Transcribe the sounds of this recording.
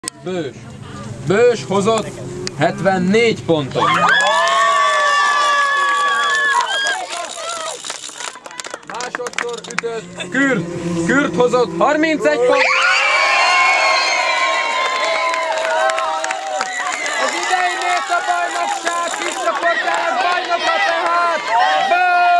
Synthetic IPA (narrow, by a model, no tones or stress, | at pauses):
bøːʃ | bøːʃho̞zot̪ːhɛt̪ʋɛnːeːɟpo̞nt̪on | maːʃo̞t̪soryt̪øt̪kyrkyrt̪ho̞zo̞t̪hɒrmint̪sɛɟpo | ɒzid̪ɛjineːt̪ɒbɒjnokʃaːkkiʃt͡ʃɒport̪aːɾɡbɒjnokɒt̪ɛɦaːt̪b